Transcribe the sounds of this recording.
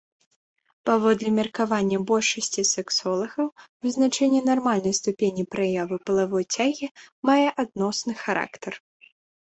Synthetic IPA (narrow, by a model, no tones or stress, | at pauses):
pavɔd̪lʲɛmʲɛrkavanʲːɐbɔlʲʂɐsʲt͡sʲisɛksɔlˠɐɣɐwvɨznat͡ʂɛnʲːɛnarmalʲnɐjst̪upʲenʲipɾajavɨpɐlˠavɔjt͡sʲaɣʲimajɛʔad̪nɔsnɨxaɾa̰kt̪ɐr